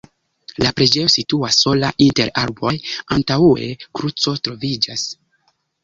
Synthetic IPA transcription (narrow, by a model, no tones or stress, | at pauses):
lapɾe̞d͡ʒe̞jo̞situasːo̞laʔinte̞ɾaɾbojantaue̞̰kɾut͡so̞tɾo̞vid͡ʒas